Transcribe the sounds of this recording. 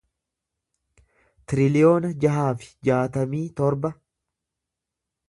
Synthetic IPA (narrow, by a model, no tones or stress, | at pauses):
t̪ɪɾɪlɪo̞ːnɐd͡ʒɐɦaːfɪ̥d͡ʒaːt̪ɐmiːt̪ɔɾbɐ